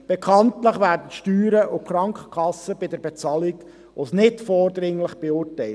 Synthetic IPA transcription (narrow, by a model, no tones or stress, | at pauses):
b̥ekʰɑntləχʋæːrdənʃtyːɾəʔʊkʰχɾɑŋkχə̥kχɑsːəbɪdəɾbɛt͡sɑliɡ | osnɪtfɔːrdɾɪŋləχb̥ɛʊrtːɛɪ